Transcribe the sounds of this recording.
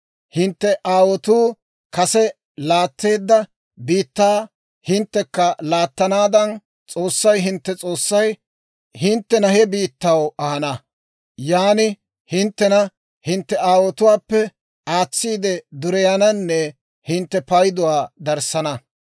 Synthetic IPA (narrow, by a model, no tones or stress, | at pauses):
hɪnt̪ːɛʔaːwɔt̪uː | kɐsɛ | laːt̪ːe̞ːd̪ːɐ | biːt̪ːaː | hɪnt̪ːɛkːɐlaːt̪ːɐnaːd̪ɐn | t͡sʼo̞ːsːɐjɦɪnt̪ːɛt͡sʼo̞ːsːɐj | hɪnt̪ːɛnɐɦɛbiːt̪ːɐwɐhɐnɐ | jaːnɪ | hɪnt̪ːɛnɐ | hɪnt̪ːɛaːwɔt̪ʊwaːpːɛ | aːt͡sːiːd̪ɛd̪ʊɾɛjanɐnːɛ | hɪnt̪ːɛpɐjd̪ʊwaːd̪ɐɾsɐnɐ